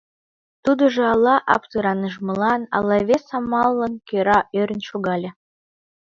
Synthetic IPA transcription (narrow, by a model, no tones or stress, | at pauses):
t̪ud̪ə̆ʒɤ̆ɑlˠːɑʔɑ̰pt̪ɯɾɑnəʒmə̆lɑnɑ̰lˠːɑβʲesɑmɑlːənkøɾɑʔøɾʲə̆nʃuɣɑlʲĕ